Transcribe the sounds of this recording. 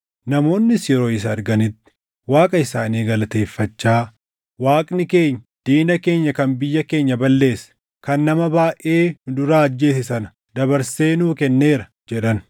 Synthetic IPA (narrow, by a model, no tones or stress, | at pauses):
nɐmo̞ːnːɪsjɛɾo̞ːɪs̬ɐɐɾɡɐnɪt̪ːɪ̥ | waːkʼɐɪsaːniːɡɐlɐt̪e̞ːfːɐt͡ʃːaː | waːkʼnɪke̞ːɲːɐd̪̥iːnɐke̞ːɲːɐkɐnbɪjːɐke̞ːɲːɐbɐlːe̞ːsɐ̥ | kɐnːɐmɐbaːʔe̞ːd̪ʊɾaːɐd͡ʒːe̞ːs̬ɪsɐnɐ̥ | d̪ɐbɐɾse̞ːnuːkɛnːe̞ːɾɐ | d͡ʒɛᶑɐn